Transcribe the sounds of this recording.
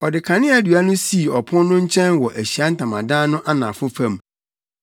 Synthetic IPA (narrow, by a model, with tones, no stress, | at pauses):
ɔ˨dɪ˨kʰã˨nɪ̃˦æ˦dɥa˦nʊ̃˦si˦˨ɔ˨pʰʊ̃˦nː˦ʊ̃˦ɲ̩˦t͡ɕʰɛ̃˦nwɔ˨ʔæ˨ɕi˨a˦n̩˦tʰã˨mã̰˨dãː˦nʊ̃˦ʔa˦nã̰˨fʊ̃˦fã˦m